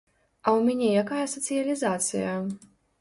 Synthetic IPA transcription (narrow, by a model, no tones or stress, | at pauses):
ɐwmʲɛnʲɛjakajɐsɐt̪sɨjɐlʲizat̪sɨ̰jɐ